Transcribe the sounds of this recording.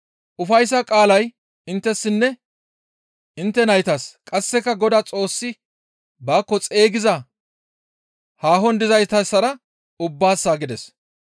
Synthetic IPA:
ʔʊfɐjsːɐkʼaːlɐj | ɪnt̪ːɛsːɪnːɛ | ɪnt̪ːɛnɐjt̪ɐskʼɐsːɛkːɐɡɔd̪at͡sʼo̞ːsːɪ | baːkːɔt͡sʼe̞ːɡɪzɐ | haːɦɔnd̪ɪzɐjt̪ɐsːɐɾɐ | ʊbːaːsːaːɡɪd̪ɛs

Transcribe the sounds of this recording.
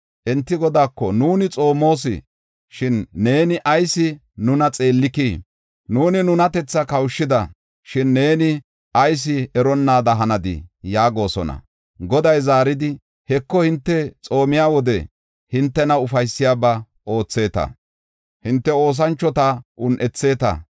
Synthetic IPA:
ʔɛnt̪ːɪɡɔd̪aːkːɔnuːnɪt͡sʼo̞ːmo̞ːs̬ɪ̰ | ʃɪnːe̞ːnɪʔɐjsɪ | nʊnɐt͡sʼe̞ːlːɪkiː | nuːnɪnʊnɐt̪ɛt͡sːɐkɐwʃːɪd̪ɐ | ʃɪnːe̞ːnɪ | ʔɐjs̬ɪɛɾɔnːaːd̪ɐɦɐnɐd̪ɪ̰jaːɡo̞ːsɔ̰nɐ̰ | ɡɔd̪ɐjzaːɾɪd̪ɪ | hɛkːɔhɪnt̪ːɛt͡sʼo̞ːmɪjaːwɔd̪ɛ | hɪnt̪ːɛnɐʊfɐjsːɪjaːbɐ | o̞ːt͡sːe̞ːt̪ɐ̰ | hɪnt̪ːɛo̞ːs̬ɐnt͡ʃːɔt̪ɐʔʊnʔɛt͡sːe̞ːt̪ɐ̰

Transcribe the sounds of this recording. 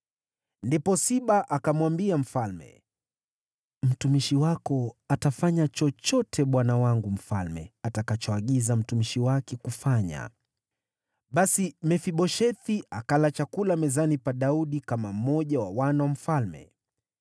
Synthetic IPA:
ndipɔsiɓaʔakamwambiam̩falmɛ̰ | m̩tumiʃiwakɔatafaɲat͡ʃɔt͡ʃɔtʰɛɓwanawaŋɡum̩falmɛ̰atakat͡ʃɔaɠizam̩tumiʃiwakɛkufaɲa̰ | ɓasimɛfiɓɔʃɛθiakalat͡ʃakulamɛzanipaɗauɗikamam̩mɔʄawa̰wanawam̩falmɛ̰

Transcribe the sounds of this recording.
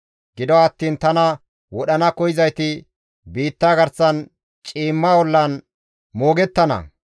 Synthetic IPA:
ɡɪd̪ɔɐt̪ːiːnt̪ɐnɐ | wɔɗɐnɐkɔjɪzɐjt̪ɪ | biːt̪ːaːɡɐɾsɐn | t͡ʃʼiːmːaːwɔlːɐn | mo̞ːɡɛt̪ːɐnɐ̰

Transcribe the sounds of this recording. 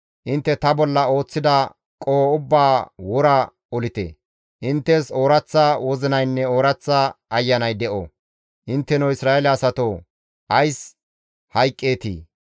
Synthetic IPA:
ʔɪnt̪ːɛt̪ɐbɔlːɐo̞ːt͡sːɪd̪ɐ | kʼoːʊbːaːwɔɾɐ | ɔlɪt̪ḛ | ʔɪnt̪ːɛso̞ːɾɐt͡sːɐwɔzɪnɐjnːɛo̞ːɾɐt͡sːaːjːɐnɐjd̪ɛʔo̰ | ʔɪnt̪ːɛnowɪsɾaːelɛɐsɐt̪oː | hɐjs | hɐjkʼːeːt̪ḭː

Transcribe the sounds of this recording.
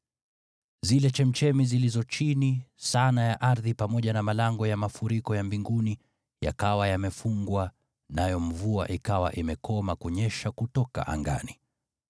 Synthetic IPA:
zilɛt͡ʃɛm̩t͡ʃɛmizilizɔt͡ʃinisanajaʔaɾðipamɔʄanamalaŋɡɔjamafuɾikɔjambiŋɡuni | ja̰kawajamɛfuŋɡwa | najɔm̩vua̰ʔikawa̰ʔimɛkɔmakuɲɛʃakutɔka̰ʔa̰ŋɡa̰ni

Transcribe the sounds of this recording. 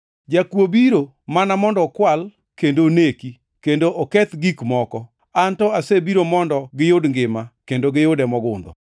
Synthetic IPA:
d͡ʒakwobiɾo | manamɔndɔkwal | kendoneki | kendoʔokɛt̪ɡikmɔkɔ | antɔasebiɾomɔndɔɡɪjodŋɡɪmakendoɡɪjodɛmɔɡʊnd̪ɔ̰

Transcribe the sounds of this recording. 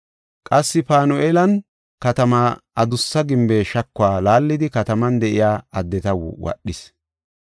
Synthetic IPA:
kʼɐsːɪpaːnʊʔeːlɐn | kɐt̪ɐmaːʔɐd̪ʊsːɐɡɪmbeːʃɐkːʊaːlaːlːɪd̪ɪkɐt̪ɐmɐnd̪ɛʔɪjaːɐd̪ːɛt̪ɐwʊ̰wʔɐ̰ɗːɪs

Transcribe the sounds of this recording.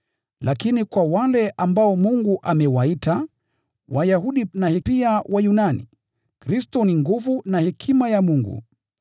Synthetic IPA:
lʔakinikwawalɛʔambaɔmuŋɡuʔamɛwaita | wʔajahuɗinahɛpiawʔajunanḭ | kɾistɔniŋɡuvunahɛkʰimajamuŋɡṵ

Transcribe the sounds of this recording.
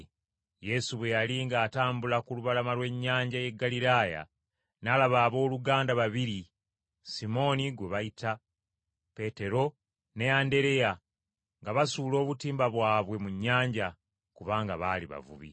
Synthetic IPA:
je̞suβwe̞jaliŋɡaːtaːmbulakuluβalamalwe̞ɲːaːɲɟaje̞ɡːalilaːja̰ | nalaβaːβo̞ːluɡaːndaβaβiɾi | simo̞niɡweβaitʰa | pe̞te̞ɾo̞ | ne̞ande̞ɾe̞ja | ŋɡaβasuːlo̞ːβutiːmbaβwaːβwe̞muɲːaːɲɟa | kuβaːŋɡaβaliβa̰vṵβḭ

